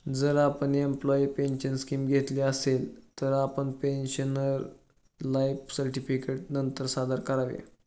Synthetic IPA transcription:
d͡zəɾapəɳiemplɔipenɕənskiːmɡʱet̪liːəselt̪əɾapəɳpenɕənəɾ | lajfsəɾʈifikeʈ̚nənt̪əɾsad̪əɾkəɾaʋḛ

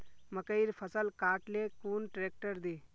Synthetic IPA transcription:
mɐkəiɾpʰəsəlkaːʈleːkuːnʈɾeːk̚ʈəɾd̪eː

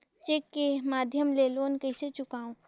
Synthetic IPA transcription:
t͡ʃekːemaːd̪ʱjəmleloːnkɐɪset͡ʃʊkaːũ

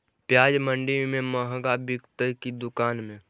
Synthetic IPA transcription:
pjaːd͡ʒmə̃ɳɖimẽməɦɡabɪkt̪əkid̪ʊkaːnmẽ

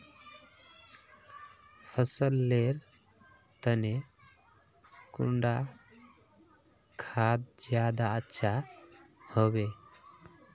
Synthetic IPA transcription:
pʰəsəlːeɾ | t̪əne | kṵɳɖa | kʰaːd̪̚d͡ʒjaːd̪aətːʃʰa | hɔbe

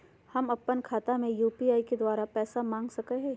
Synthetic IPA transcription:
hɐmɐpːənkʰaːt̪amẽjuːpiaːiked̪waːɾapɛːsamãːŋɡsɐkeɦɛ̃ː

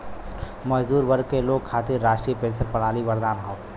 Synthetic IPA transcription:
məd͡ʒd̪uːɾbəɾkeloːɡ̚kʰːaːt̪ɪɾːaːʃʈɾiepẽːsəɾpɐɽ̤aːliʋɐɾd̪aːnɦõː

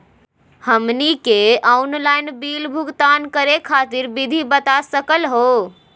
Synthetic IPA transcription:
həmnikeaunlajnbilbʱuɡt̪ankəɾekʰaːt̪iɾbid̪ʱibət̪asəkəlɦo

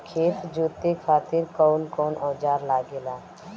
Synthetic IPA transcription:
kʰeːt̪d͡ʒoːt̪ekʰaːt̪ɪɾkɔːnkɔːnɔːd͡ʒaːɾlaːɡelaː

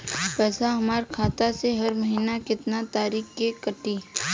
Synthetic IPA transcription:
pɛːsaɦɐmaːɾkʰaːt̪aseɦɐɾməɦiːnakɪt̪nat̪aːɾiːkkekɐʈiː

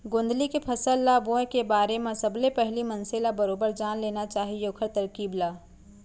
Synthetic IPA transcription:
ɡõːnd̪likepʰɐsəlːaːbõẽkebaːɾemẽsɐblepɛɦlimɐ̃nselabɐɾoːbəɾd͡ʒaːnleːnat͡ʃaːɦieʊkʰəɾt̪ɐɾkiːblaː

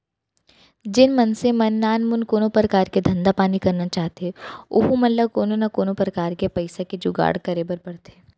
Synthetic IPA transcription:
d͡ʒɪnmɐnsẽmɐnːaːnmʊnkoːnopɾɐkaːɾked̪ʱɐ̃nd̪apaːnikɐɾnat͡ʃaːɦt̪eeʊ̰ɦumɐllːəkoːnonɐkoːnopɾɐkaːɾkepɐɪsaked͡ʒʊɡa̰ːɽkɐɾebəɾpɐɽt̪eː

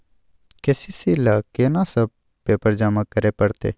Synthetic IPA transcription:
keːsisilaːkenasəb̚ | peːpəɾd͡ʒaːmakəɾeːpəɽt̪ḛː

